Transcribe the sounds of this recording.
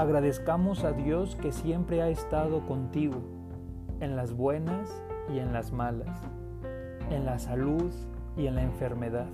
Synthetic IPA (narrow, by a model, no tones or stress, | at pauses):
aɣɾaðe̞skamo̞saðjo̞ske̞sje̞mpɾe̞aest̪aðo̞ko̞nt̪iɣo | e̞nlazβwe̞nas | ie̞nlazmalas | e̞nlasaluð | ie̞nlaeɱfe̞ɾme̞ðað